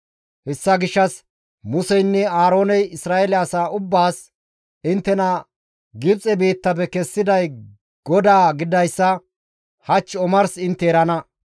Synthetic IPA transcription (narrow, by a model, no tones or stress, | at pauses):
hɛsːɐɡɪʃːɐs | mʊsɛjnːɛaːɾo̞ːnɛjɪsɾaːɛlɛɐsaːʔʊbːaːs | ɪnt̪ːɛnɐ | ɡɪbt͡sʼɛbiːt̪ːɐb̬ɛkɛsːɪd̪ɐj | ɡ̥ɔd̪aːɡɪd̪ɐjsːɐ | hɐt͡ʃːɔmɐɾsɪnt̪ːɛːɾɐnɐ